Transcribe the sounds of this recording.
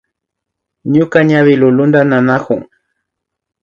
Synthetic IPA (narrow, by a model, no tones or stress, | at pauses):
ɲʊkaɲaβɪlʊlʊnd̪ananakʊ̰ŋ